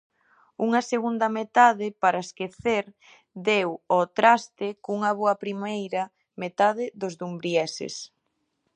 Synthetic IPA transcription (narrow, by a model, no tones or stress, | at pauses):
uŋɐseɣund̪ɐmet̪aðɪpaɾɐeskeθeɾ | d̪ewot̪ɾast̪ɪkuŋɐβoɐpɾimejɾɐ | met̪að̞ɪðozðumbɾiɛsɪ̰s